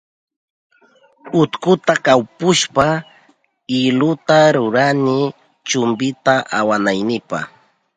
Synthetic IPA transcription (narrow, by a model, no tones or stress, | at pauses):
ʊt̪kʊt̪akawpʊʃpa | ɪlʊt̪aɾʊɾanɪ | t͡ʃʊmbɪt̪aʔawanajnɪpa̰χ